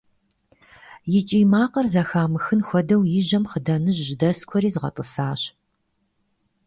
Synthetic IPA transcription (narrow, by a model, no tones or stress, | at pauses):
jɪt͡ʃʼiːmaːqɐrzɐxaːmɨxɨnxʷɔdɐwjɪʑɐmχədɐnɨʑʒdɐskʷʰɔɾiːzʁɐ̰tʼəsaːɕ